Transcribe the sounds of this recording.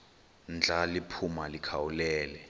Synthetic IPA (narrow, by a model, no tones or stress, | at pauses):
nd͡ɮʱalipʰumalikʰawulɛːlɛ